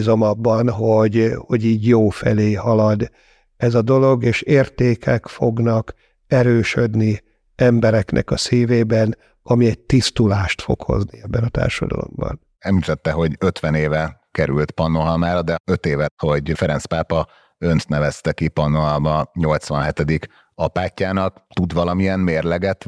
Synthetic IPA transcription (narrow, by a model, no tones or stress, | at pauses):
zo̞mɒbːɒnɦo̞ɟho̞ɟiːɟjoːfɛleːɦɒlɒd̪ | ɛzɒd̪o̞lo̞ɡeːʃeːrt̪eːkʰɛkfo̞ɡnɒk | ɛɾøːʃød̪ni | ɛmbɛɾɛknʔɛ̰kɒsiːveːbɛn | ɒmiɛɟ̚t̪ist̪ulaːʃt̪fo̞̰kho̞̰zniɛbːɛnɒt̪a̰ːrʃɒd̪ɒ̰lo̞̰mbɒ̰n | ɛmit̪ɛt̪ːɛɦo̞ɟøt̪ʋɛneːvɛkɛɾylt̪pɒnːoɦɒlmaːɾɒd̪ɛøt̪eːvɛt̪ho̞ɟfɛɾɛnspaːpɒ | ønt̪nɛvɛst̪ɛkipɒnːoɦɒlmɒɲo̞lt̪sʋɒnɦɛt̪ɛd̪ik | ɒpaːcːaːnɒk̚t̪ud̪ʋɒlɒmiɛnmeːrlɛɡɛt̪